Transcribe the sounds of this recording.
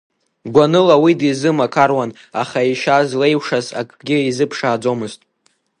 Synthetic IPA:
ɡʷanɨlawidizɨmakʰarwan | aχaiʃazle̞jwʂaza̰kʼɡʲɪizɨpʰʂaːd͡zo̞mɨztʼ

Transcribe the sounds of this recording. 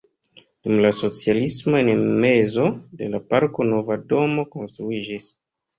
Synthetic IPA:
d̥umlaso̞t͡sialismoenme̞zo̞de̞̰lapaɾko̞no̞vado̞mo̞ko̞nstɾuid͡ʒis

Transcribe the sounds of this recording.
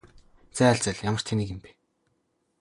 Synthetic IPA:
t͡sæːæɮt͡sə̆ɮjamə̆r̥t̪ʰeniːkɘ̆mpi̥

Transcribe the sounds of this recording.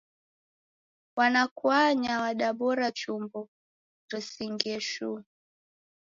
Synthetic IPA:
wanakwaɲawaɗaɓɔɾat͡ʃumbɔ | ɾisiŋɡɛʃu

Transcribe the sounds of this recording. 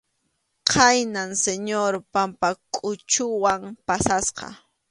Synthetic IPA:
qʰajnanseɲoɾpampakʼʊt͡ʃʊwampasasqɑ̰

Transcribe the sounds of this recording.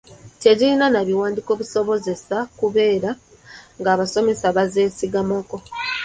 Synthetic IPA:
te̞ɟiɾinanaβiwaːndiko̞ːβuso̞βo̞ze̞sakuβe̞ːɾa | ŋɡaːβaso̞me̞saβaze̞ːsiɡamako̞

